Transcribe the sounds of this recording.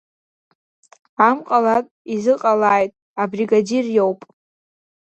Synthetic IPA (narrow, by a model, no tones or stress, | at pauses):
amqʼalakʼizɨqʼalaːjtʼ | abriɡadirjowpʼ